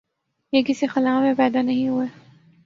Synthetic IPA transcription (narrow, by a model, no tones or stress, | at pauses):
jekɪsixɐlaːmẽpɛːd̪anɐɦĩɦueː